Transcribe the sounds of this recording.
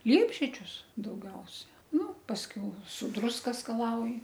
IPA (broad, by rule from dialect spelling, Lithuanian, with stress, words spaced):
ˈlʲiɛbʲʒʲiɛd͡ʒʲʊs dɐʊˈɡʲɛʊsʲɛ nʊ pɐsʲˈkʲɛʊ sʊ ˈdrʊskɐ skɐˈlˠɐʊjɪ